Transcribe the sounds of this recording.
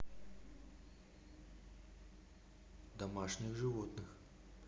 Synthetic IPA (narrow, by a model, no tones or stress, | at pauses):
d̪ɐmaʂnʲɨxʐɨvot̪nɨx